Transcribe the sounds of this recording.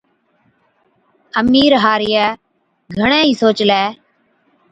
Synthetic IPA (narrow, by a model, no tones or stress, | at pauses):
əmiːɾɦaːɾɪjaː | ɡʱəɳ̃ẽːiːsoːt͡ʃlɛː